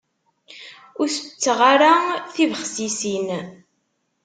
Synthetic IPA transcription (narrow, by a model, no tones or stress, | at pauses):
ʊɾθə̥t͡sːəʁaɾaθivəχsisin